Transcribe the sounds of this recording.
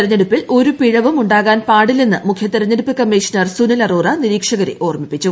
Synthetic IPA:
ɾɐɲːeɽupːilo̞ɾupiɻɐʋumuɳɖaːɣaːnpaːɽilninːɨmukʰjɐt̪iɾɐɲːeɽupːɨkɐmːiːʂɐnɐrsunɐlɐroːrɐniɾiːkʂɐɣɐɾḛʔo̞ːrmipːit͡ɕːu

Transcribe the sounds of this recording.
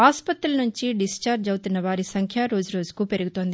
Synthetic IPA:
aːspɐt̪ɾulɐnuɲt͡ʃiɖist͡ʃaːɾd͡ʒɐwt̪unːɐʋaːɾisɐŋkʰjaɾo̞ːd͡ʒuɾo̞ːd͡ʒukuːpe̞ɾuɡut̪o̞ːnd̪i

